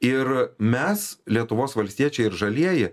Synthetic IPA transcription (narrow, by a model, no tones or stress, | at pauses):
ɪɾmʲɛslʲiɛt̪ʊʋoːsʋɐlʲsʲt̪ʲiɛt͡ʃʲɛɪɪɾʒɐlʲiɛjɪ